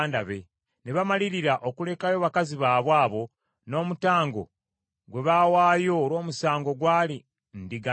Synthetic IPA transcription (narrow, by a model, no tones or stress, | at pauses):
ndaβe̞ | neβamaliɾiɾaʔo̞kule̞kajo̞ːβakaziβaːβwaːβo̞ | no̞ːmutaːŋɡo̞̰ | ɡwe̞βawaːjo̞ːɾo̞ːmusaːŋɡo̞ɡwaːli | ndiɡa